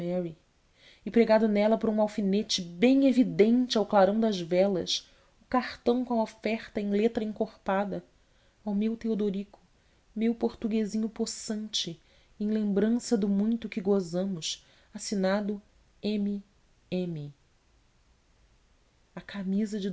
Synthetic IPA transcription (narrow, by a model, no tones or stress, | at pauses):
ɛɾi | ɪpɾeɡad̪ʊnɛlɐpoɾũawfinet͡ʃɪbẽj̃evid̪ẽnt͡ʃɪawklaɾɐ̃w̃d̪ɐzvɛlɐʃ | ʊkaχt̪ɐ̃w̃kõw̃ɐofɛχt̪ɐẽj̃let̪ɾɐĩŋkoχpad̪ɐ | awmewt̪eod̪oɾikʊ̥ | mewpoɾt̪uɡezĩɲʊposɐ̃nt͡ʃɪ | ẽj̃lẽmbɾɐ̃sɐd̪ʊmũj̃t̪ʊkɪɡozɐ̃mʊʃ | asinad̪ʊ | ẽmi | ẽmɪ | ɐkʰamizɐd͡ʒɪ